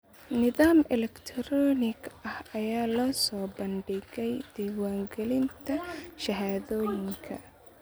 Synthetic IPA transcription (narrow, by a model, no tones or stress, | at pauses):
nɪðaːmɛlɛkt̪ʰɾɔːnɪɡɐhɐjaːlɔːsɔːbɐnɖɪɣɛjd̪̥ɛːwaːŋɡɛlɪnt̪ʰɐʃɐɦaːðɔːjɪŋkʰɐ̰